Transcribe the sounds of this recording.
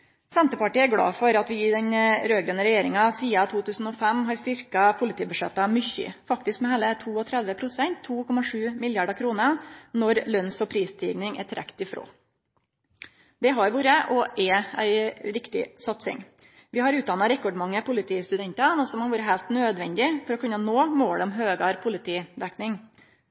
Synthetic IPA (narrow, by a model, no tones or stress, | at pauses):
sɛnt̪əpɑʈiːæɡɽɑ̰ːfɔɾɑt̪ʋɪɪd̪ɛɲɾøːɡɾənəɾɛjeːɾɪŋɑsiːɑt̪ʰuːt̪ʉːsn̩ɔfɛmːɦɑɾst̪ʏɾkɑpʰʊlɪt̪iːbʉʂɛt̪ːɑmʏçʏ̰fɑkt̪ɪskmɛhæːlət̪ʰuːɔt̪ʰɾɛd̪ʋəpʰɾʊsɛnt̪ʰːuːkʰɔmɑʂʉːmɪljɑɖɑkʰɾuːnənɔɾlœnsɔpʰɾiːst̪ʰḭːʋnɪŋæ̰t̪ʰɪɾʔɛ̰kt̪ɪfɾo̰ː | d̪ɛɦɑɾʋuːɾəʔɔʔɛæ̰ɪɾɪkt̪ɪ̰sɑt̪sɪ̰ŋ | ʋɪhɑɾʉːt̪d̪ɑnɑɾɛkɔɖmɑŋːəpʰʊlɪt̪ʰiːst̪ʉd̪ɛnt̪ɑnɔsɔmɑnʋuːɾəɦæɪlt̪nøːd̪ʋɛnd̪ɪfɔɾɔkʉnːənoːmoːɽɔmɦøːɡɑɾpʰʊlɪt̪ʰiːd̪ɛknɪŋ